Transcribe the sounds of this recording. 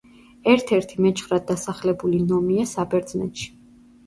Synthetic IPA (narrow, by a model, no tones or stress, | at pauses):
ɛɾt̪ʰɛɾt̪ʰimɛt͡ʃʰχɾad̪̚ːasaχlɛbulinɔmiasabɛɾd̪znɛ̰t̪ʃi̥